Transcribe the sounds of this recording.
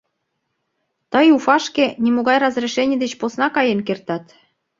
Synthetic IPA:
t̪əjufɑʃkenimoɣɑjrɑzreʃenʲed̪et͡ɕposnɑkɑjenkert̪ɑt̪

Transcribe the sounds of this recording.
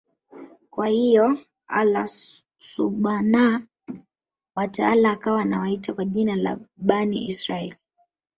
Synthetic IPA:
kwahijɔ | a̰la | suɓana | wataalaːkawanawaitakwaʄinala̰ɓanḭʔisɾaɛli

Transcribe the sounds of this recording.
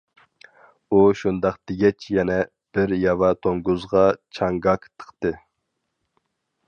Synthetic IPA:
uʃund̪ɑqt̪ɪɡʲɛt͡ʃʰjɛnɛ | b̥ɪɾjɑvɑt̪ʰoŋɡuzʁɑt͡ʃʰɑŋɡɑkt̪ʰə̥qt̪ɨ

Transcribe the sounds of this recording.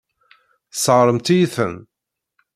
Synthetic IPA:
θsəʁɾˤəmt̪ijiθəm

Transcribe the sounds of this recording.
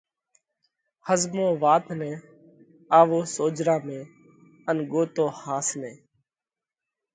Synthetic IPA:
həzmõːʋaːt̪nɛ̃ː | aːʋoːsoːd͡ʒɾãːmẽː | ənɠoːt̪oːhaːsnẽː

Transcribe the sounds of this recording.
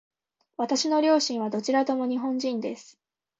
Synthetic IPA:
βat̪aɕino̞ɾʲo̞ːɕĩɰ̃β̞ad̪o̞t͡ɕiɾat̪o̞mo̞ɲ̟iɦõ̞ɲ̟d͡ʑĩnd̪e̞sɨ̥

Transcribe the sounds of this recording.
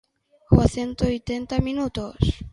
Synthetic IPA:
xwaθent̪oojt̪ent̪amĩnut̪os

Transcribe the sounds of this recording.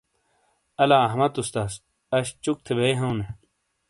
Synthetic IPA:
ɐlaːɐɦmɐt̪ust̪aːs | ɐɕt͡ɕuk̚t̪ʰebejɦɐwne

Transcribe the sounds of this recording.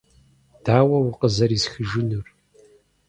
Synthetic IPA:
d̥aːwɐwʊqəzɐɾisxɨʒɪnɨr

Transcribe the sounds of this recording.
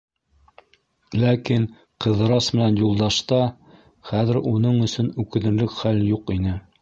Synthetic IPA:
lækin | qɤ̆ðɤɾɑsmɘ̆nænjulˠd̪ɑʃt̪ɑ | χæðɘ̆ɾunɤɴɵ̆sɵnʉkɘ̆nɘ̆ɾlɘkχæljuqinɘ

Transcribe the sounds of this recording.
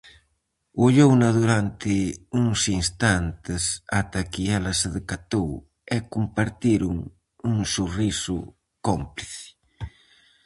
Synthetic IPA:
oʎownaðuɾant̪ɪuŋsinst̪ant̪ɪsat̪akɪɛlɐseðekat̪ow | ɛkumpaɾt̪iɾuŋ | uŋsurisʊ̰ | kompliθɪ̥

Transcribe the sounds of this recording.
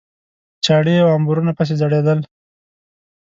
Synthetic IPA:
t͡ʃɑɽeawambuɾunapəs̬ezaɽed̪əl

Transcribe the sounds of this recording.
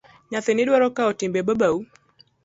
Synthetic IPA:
ɲaθiniɗwaɾɔkaɔtimbɛbabau

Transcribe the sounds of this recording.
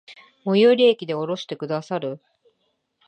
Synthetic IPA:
mojoɾʲiekʲid̪e̞o̞ɾo̞ɕi̥t̪e̞kɯ̟d̪asaɾɯ̟

